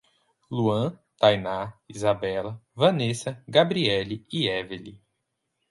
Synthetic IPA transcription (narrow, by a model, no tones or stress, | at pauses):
luɐ̃t̪ajnaizabɛlɐvɐ̃nesɐɡabɾiɛliiɛveli